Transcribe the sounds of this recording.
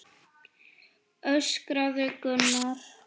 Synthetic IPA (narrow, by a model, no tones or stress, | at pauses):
œɥskɾaðʏkʏnːaɾ̥